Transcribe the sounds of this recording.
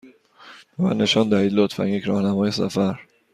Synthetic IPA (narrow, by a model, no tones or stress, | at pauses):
væ̰neʃɒnd̪æhiːd̪lot̪fæ̰njecɾɒːhnæmɒːjesæ̰fæɾ